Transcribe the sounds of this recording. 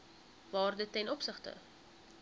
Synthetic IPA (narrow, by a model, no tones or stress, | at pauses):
vɑːrdətːɛnɔpsəχtə̰